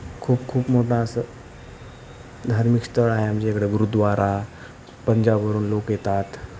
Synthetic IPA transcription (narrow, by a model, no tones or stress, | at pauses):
kʰuːbkʰuːpmoʈãəsə | d̪ʱaːɾmikst̪əɾaːɦeɦəmd͡ʑiekɽeɡuɾud̪ʋaɾʔa | pəɲd͡ʑabʋəɾuːnloːkjet̪at̪